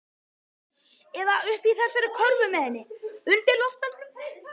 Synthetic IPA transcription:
ɛðaʏhpiθɛsːaɾɪkʰɔɾvʏmɛðɛnːɪʏnt̪ɛlɔft̪alʏ

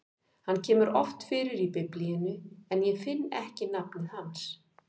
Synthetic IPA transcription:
hanːcʰɛːmʏɾɔft̪fɪːɾɪɾipɪplijɪnʏɛnjɛfɪnːɛ̰hcɪnapnɪhans

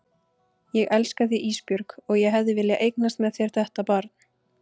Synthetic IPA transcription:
jɛɣʔɛlskaθiʔiːspjʏɾkɔɣjɛɦɛvðɪvɪljaʔejknast̪mɛðθjɛɾ̥θɛht̪apaːɾ

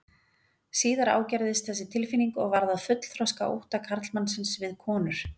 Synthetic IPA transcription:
siːðaɾa̰ːwcajɾðɪst̪θɛs̬ːɪt̪ʰɪlfiniŋkɔɣvaɾðaðfʏt̪l̥θɾɔska̰ʔo̰wht̪akʰaɾt̪lmansɪnsvɪðkʰɔːnʏɾ̥

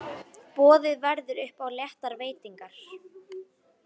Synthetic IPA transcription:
pɔːðɪðvɛɾðʏɾʏhpawljɛht̪aɾveːjt̪iŋkaɾ̥

